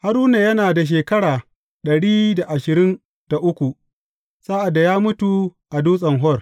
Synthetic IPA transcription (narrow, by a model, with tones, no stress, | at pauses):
ha˦ɾuː˦na˨jɐ˦naː˨da˨ʃ̬eː˨kɐ˦ɽaː˨ | ɗɐ˨ɽiː˦da˨ʔa˨ʃɪ˨ɾɪ˦n | d̥a˨ʔʊ˦kʷu˨ | saː˦ʔa˨dːa˨jaː˦mʊ˦tu˨ʔa˨duː˦sʼɐ˨ŋɦɔ˦˨r